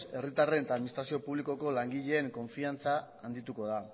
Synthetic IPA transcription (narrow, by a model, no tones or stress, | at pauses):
se̞rit̪are̞nt̪aːðminist̪ɾasio̞puβliko̞ko̞laŋɡiʎe̞ːŋko̞ɱfiant͡saː | nd̪it̪uko̞ð̞a